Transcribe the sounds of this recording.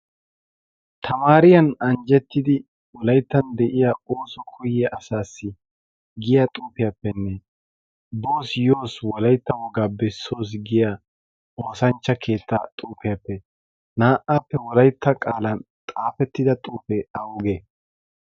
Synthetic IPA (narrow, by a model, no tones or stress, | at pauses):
t̪ʰɐmaːɾɪjɐnɐɲd͡ʒɛt̪ːɪd̪ɪ | wɔlɐjt̪ːɐnd̪ɛʔɪjaoːsɔkʰʊjɛʔɐsaːsːɪ | ɡɪjat̪ʼuːpɪjɐpːɛnːɛ | bo̞ːsjo̞ːswɔlɐjt̪ːɐwɔɡaːbɛsːo̞ːs̬ɡɪja | o̞ːsɐnt͡ʃːɐkʰe̞ːt̪ːɐt̪ʼuːfɪjɐpːɛ | naːʔaːpːɛwɔlɐjt̪ːɐkʼaːlɐn | t̪ʼaːfɛt̪ːɪd̪ɐt̪ʼuːfɛɐwʊɡe